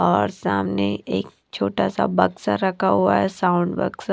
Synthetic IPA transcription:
ɔːɾsaːmneeːk̚ | t͡ʃʰoːʈasabɐksaɾɐkʰaɦuaɦɛsãːʊ̃ɳɖbɐ̰ɡs

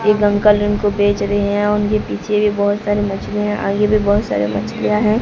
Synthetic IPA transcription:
jeɡɐ̃ŋkəlʊnkobeːt͡ʃɾɐɦeɦɛ̃ʊnkepiːt͡ʃʰebʱibɔːʊt̪saːɾemɐt͡ʃliɦɛ̃ʔa̰ːɡebʱibɔːʊt̪sa̰ːɾḛmɐt͡ʃlijaɦɛ̃ː

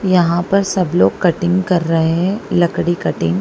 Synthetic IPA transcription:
jɐɦãpɐɾsɐbloːɡkɐʈɪ̃ŋɡkɐɾːɐɦeɦɛ̃lɐkɽikɐʈɪ̃ŋɡ

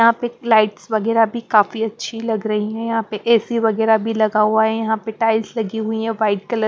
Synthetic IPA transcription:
jɐɦãpelaːɪʈsʋɐɡɛːɾabʱikaːfiɐtːʃʰilɐɡɾɐɦiɦɛ̃jɐɦãpeʔɛːsiʋɐɡɛːɾabʱilɐɡauaɦɛjɐɦãpeʈaːɪlslɐɡiɦʊiɦɛ̃ʋaːɪʈ̚kɐlə

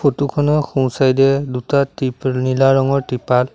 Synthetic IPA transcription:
otukʰɔnɔxũw̃sajdɛdutatinilaɹɔŋɔɹtipal

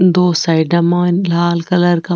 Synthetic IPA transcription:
d̪oːsajɖɐmaːnlaːlkɐlɐɾkɐ

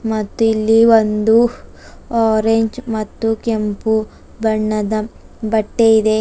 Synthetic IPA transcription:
mɐt̪ːuilːiʋond̪u | aːɾeɲd͡ʒmɐt̪ːukempu | bɐɳːɐd̪ɐbɐʈːeid̪e

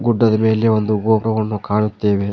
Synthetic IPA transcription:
ɡuɖːɐd̪ɐme̞ːleond̪uɡoːʈɐʋɐɳːukaːɭut̪ːeːʋe

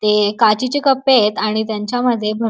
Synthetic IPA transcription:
t̪ekat͡ɕit͡ɕikəpːet̪aɽ̃it̪jaɲt͡ɕjaməd̪ʱːjebʱə

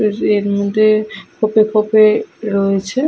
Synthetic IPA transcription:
eɾmod̪ʱːekʰopekʰopeɾoet͡ɕʰe

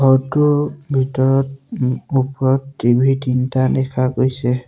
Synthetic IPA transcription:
ɦɔɹtʊbʱitɔɹɔtupɔɹɔtːibʱitintadɛkʰaɡojsɛ

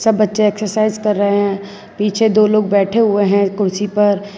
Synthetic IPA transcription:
sɐbːɐtːʃeɛːksəɾsaːɪzkɐɾːəɦeɦɛ̃ | piːt͡ʃʰed̪oːloːɡ̚bɛːʈʰeɦʊeɦɛ̃kʊɾsipɐɾ

